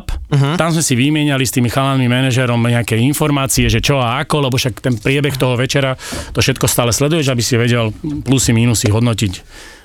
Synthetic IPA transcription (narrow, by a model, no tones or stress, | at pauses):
pɦt̪amzmɛsiʋimɪɛɲalist̪iːmixalanmimɛnɛʒɛɾɔmɲɛakɛjinfɔɾmaːt͡siɛʒɛt͡ʃɔaakɔlɛbɔʃakt̪ɛnpɾɪɛbɛxt̪ɔɦɔʋɛt͡ʃɛɾat̪ɔfʃɛt̪̚kɔst̪aːlɛslɛd̪ujɛʒabisiʋɛɟɛlplusimiːnusiɦɔd̪nɔcic